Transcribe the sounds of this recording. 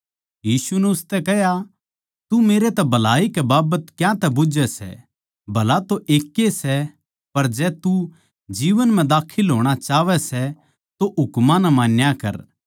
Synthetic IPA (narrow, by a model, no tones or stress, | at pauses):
jiːsunɛʊst̪ɛkɛɦja | t̪umeːɾet̪ɛbʱɐlaːikɛbaːbət̪kjãt̪ɛbʊd͡ʒɛsɛ̰ | bʱɐlat̪oʔeːkːesɛ | pɐɾd͡ʒɛːt̪u | d͡ʒiːʋənmɛ̃d̪aːkʰɪlɦoːɽ̃at͡ʃaːʋɛsɛ | t̪oʔʊkmãnɛmaːnjakɐ̰ɾ